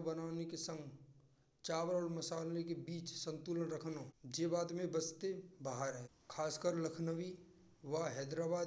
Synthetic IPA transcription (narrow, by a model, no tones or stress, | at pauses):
bənaːnekesə̃ŋɡ | t͡ʃaːʋəɾɔːɾmɐsaːlnekebiːt͡ʃsə̃nt̪uːlənɾəkʰnõd͡ʒeːbaːd̪mẽbəst̪ebaɦəɾɦɛ̃ | kʰaːskəɾləkʰnəʋi | ʋaɦɛːd̪ɾaːbaːd̪